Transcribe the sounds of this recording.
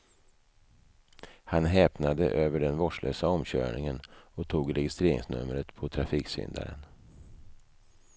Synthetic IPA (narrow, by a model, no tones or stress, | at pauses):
hanɦɛːpnad̪ə̰ʔøːvəɖɛnvɔʂɭʔøːsaɔmɕœ̰ːɳɪŋənɔt̪ʰuːɡɾɛjɪst̪ɾeːɾɪ̰ŋsnɵ̰mɾət̪pʰɔt̪ʰɾafiːksʏ̰nd̪a̰ɾə̰n